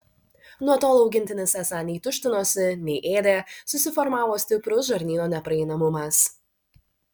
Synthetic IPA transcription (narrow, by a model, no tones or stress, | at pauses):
nuɔt̪oːlˠɐʊɡʲɪnʲt̪ʲɪnʲɪsʲɛsɑːnʲɛɪt̪ʊʃʲt̪ʲɪnoːsʲɪnʲɛɪʔeːd̪ʲeːsʊsʲɪfɔɾmɑːʋoːsʲt̪ʲɪpɾʊsʒɐɾʲnʲiːnoːnʲɛpɾɐɛɪnɐmʊmɐs